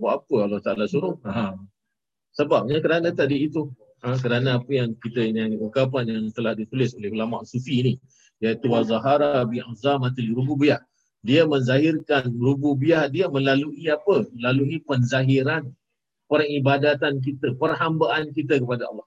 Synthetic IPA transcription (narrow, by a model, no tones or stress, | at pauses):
waʔapəɑlːɑht̪aʔalasuɾʊhaɦam | səbap̚ɲakəɾanə̃t̪adiːt̪u | ə̃k̬əɾanəapəjaŋkit̪əɲaʔuŋkap̬anjaŋt̪əlahdit̪ulɪsolɛhɦulama̰ʔsufini | jait̪uwazaɦaɾabiʔazamat̪ilɾububiah | diəmənzaɦɪrkanɾububiahdiəməlaluʔiapəməlaluipənzaɦiɾan | poɾaŋibadat̪ank̬it̪əpərɦambaʔankit̪əkəpadaɑ̰lːɑh